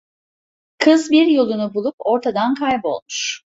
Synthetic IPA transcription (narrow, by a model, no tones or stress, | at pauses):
kʰɯzbiɾjo̞lˠunubulˠupo̞ɾt̪ʰad̪ankʰajbo̞lˠmuʃ